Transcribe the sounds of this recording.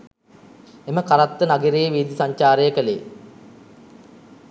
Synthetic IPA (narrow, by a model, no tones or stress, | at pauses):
eməkaɾat̪ːənaɡiɾejːʋiːd̪isaɲt͡ʃaːɾəjəkəlḛː